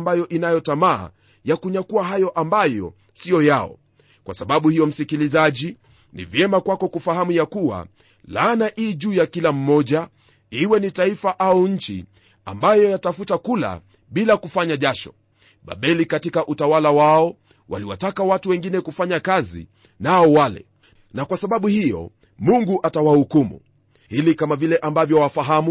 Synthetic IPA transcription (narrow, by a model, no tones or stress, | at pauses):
mbajɔʔinajɔtama̰ː | jakuɲakuaɦajɔʔambajɔ̰ | sijɔjaɔ̰ | kwʔasaɓaɓuhijɔm̩sikilizaʄi | nḭvjɛmakwakɔkufahamujakuwa̰ | lanaʔiːʄuːjakilam̩mɔʄa | iwɛnitaifaʔauɲ̩t͡ʃḭ | a̰mbajɔjatafutakula̰ | ɓilakufaɲaʄaʃɔ̰ | ɓa̰ɓɛlikatikaʔutawalawaɔ | wa̰liwa̰takawatuwɛŋɡinɛkufaɲakazḭ | naɔwalɛ̰ | nakwasaɓaɓuhijɔ̰ | muŋɡuʔatawahukumṵ | hilikamavilɛʔambavjɔwafaɦamu